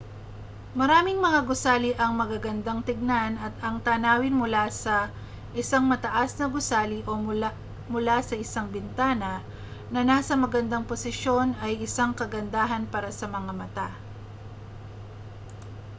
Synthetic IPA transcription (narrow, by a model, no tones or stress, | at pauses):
mɐɾaːmɪŋmɐŋaɡʊsaːliʔɐŋmɐɡaɡɐnd̪aŋt̪ɪɡ̚nanɐt̪̚ɐŋt̪aːnaːwɪnmʊlasɐ | ʔɪsaŋmɐt̪ɐʔasnɐɡʊsaːliʔo̞ | mʊlasɐʔɪsaŋbɪnt̪aːnɐ | nɐnaːsɐmɐɡɐnd̪aŋposɪʃo̞nɐjʔɪsaŋkɐɡɐnd̪aːɦɐnpaːɾɐsɐmɐŋamɐt̪a